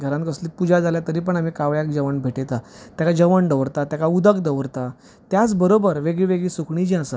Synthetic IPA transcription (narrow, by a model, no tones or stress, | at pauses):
ɡʱəɾankəsliːpud͡ʑad͡zaljat̪əɾiːpəɳam̤ikaʋjak̚d͡ʑəʋəɳbʱeʈet̪at̪jakad͡ʑəʋəɳɖəʋɾt̪at̪jakaud̪əkd̪əʋɾt̪a | t̪jat͡sbəɾobəɾʋeɡɭiʋeɡɭiːsokʰɳid͡ʑĩasa